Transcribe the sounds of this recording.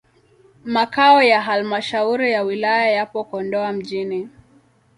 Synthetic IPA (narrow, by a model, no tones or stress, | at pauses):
makaɔjaɦalmaʃauɾijawilajajapɔkɔndɔam̩ʄini